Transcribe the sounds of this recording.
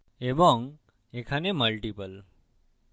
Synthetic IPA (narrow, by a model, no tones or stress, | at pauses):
ebəŋɡ | ekʰaneməlʈipəl